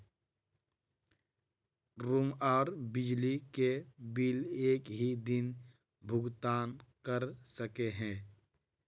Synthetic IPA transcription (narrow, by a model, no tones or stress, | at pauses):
ɾumaːɾbɪd͡ʒlikebileːkɦid̪ɪn | bʱʊɡt̪aːnkəɾsəkeɦɛ̃ː